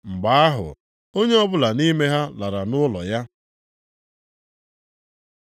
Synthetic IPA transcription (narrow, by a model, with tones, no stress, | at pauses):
ŋ͡m̩˨ɡ͡ba˨a˦ɦʊ̰˨ | o˦ɲe˦ɔ˦bʊ˦la˨ni˦me˦ɦa˦la˨ɾa˨nʊ˦lɔ˨ja˦